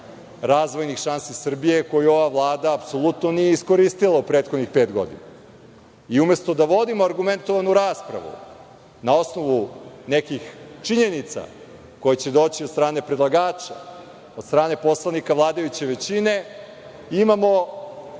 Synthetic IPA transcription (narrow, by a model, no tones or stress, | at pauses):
ɾaːzʋo̞jnixʃansisr̩bije̞ko̞juo̞ʋaʋlˠaːd̪aːpso̞lˠut̪no̞nijeisko̞ɾist̪ilˠaupɾeːt̪xod̪nixpe̞ːt̪ɡod̪ḭna̰ | iume̞st̪o̞d̪aʋo̞d̪imoaɾɡument̪o̞ʋanuɾaːspɾa̰ʋṵ | nao̞sno̞ʋune̞kixt͡ʂiɲe̞nit̪sa̰ | ko̞jet͡ɕe̞d̪o̞ːt͡ɕiod̪st̪ɾaːne̞pɾed̪lˠaɡaːt͡ʃa̰ | od̪st̪ɾaːne̞po̞slˠanikaʋlˠaːd̪ajut͡ɕe̞ʋe̞t͡ɕine | imamo̞